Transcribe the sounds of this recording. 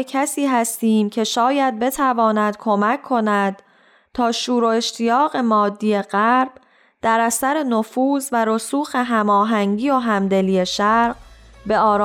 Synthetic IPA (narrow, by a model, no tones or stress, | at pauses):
kʰæsiːɦæst̪iːmcʰe̞ʃɒːjæd̪̚be̞t̪ʰævɒːnæd̪̥kʰo̞mæcʰːo̞næd̪̥ | t̪ʰɒːʃuːɾoe̞ʃt̪ʰijɒːɣe̞mɒːd̪ːiːje̞ɢæɾb̥ | d̪̥æɾæsæɾe̞nofuːzvæɾosuːxe̞ɦæmɒːɦæŋɟiːoɦæmd̪e̞lije̞ʃæɾɾɢ | be̞ɒːɾː